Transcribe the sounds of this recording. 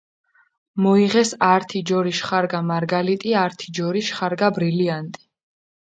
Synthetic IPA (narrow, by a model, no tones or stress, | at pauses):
mɔiʁɛsaɾt̪ʰid͡ʒɔɾiʃχaɾɡamaɾɡalit̪ʼiaɾt̪ʰid͡ʒɔɾiʃχaɾɡabɾiliant̪ʼi̥